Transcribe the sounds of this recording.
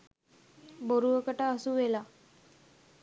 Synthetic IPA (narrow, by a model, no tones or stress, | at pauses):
boɾuəkəʈəːsuʋela